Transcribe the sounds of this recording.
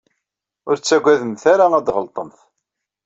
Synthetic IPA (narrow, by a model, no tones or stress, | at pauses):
ʊɾt͡sːæɡʷːæðəmθæɾaæd̪ʁəlt̪ˤəmθ